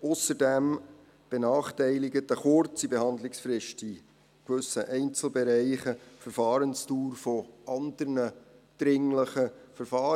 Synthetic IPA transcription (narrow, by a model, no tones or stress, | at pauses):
ʊsəɾdɛm | b̥enɑːχtɛɪlɪɡətəχʊɾt͡sibehɑnd̪lɪksfɾɪʃti | kʋɵsːəʔɛɪnt͡sl̩bɛɾɛɪχəfəɾfɑːɾənstuːɾfɔʔɑnd̪əɾnəd̪̥ɾɪŋləχəfəɾfɑː